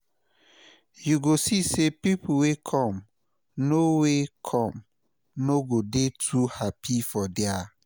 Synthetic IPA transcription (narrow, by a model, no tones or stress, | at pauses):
juɡosisepipuwekʰɔ̃m | nowekʰɔ̃m | noɡodetʰuhapifɔdɛa